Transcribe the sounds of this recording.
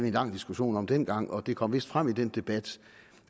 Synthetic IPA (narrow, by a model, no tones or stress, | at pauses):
ʋienlɑ̈ŋ̰d̥isɡ̥uɕo̝̰ːnɒ̽md̥en̰ɡ̥ɑ̈ŋ̰ɒ̽d̥e̝kʰɒ̽m̰ʋe̝sd̥fʁam̰id̥end̥e̝b̥æd̥